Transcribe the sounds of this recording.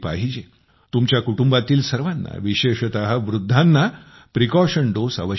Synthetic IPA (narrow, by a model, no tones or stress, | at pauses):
paɦid͡ʑe | t̪umt͡ɕjakuʈumbat̪iːlsəɾʋanːa̰ʋiɕeɕət̪aɦəʋɾud̪ʱːanːa | pɾikɔɕəɳɖosə̰ʋə